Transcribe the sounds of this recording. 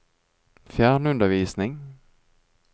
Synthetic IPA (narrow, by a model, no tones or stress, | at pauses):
fjæːɳɵnd̪əɾviːsnɪŋ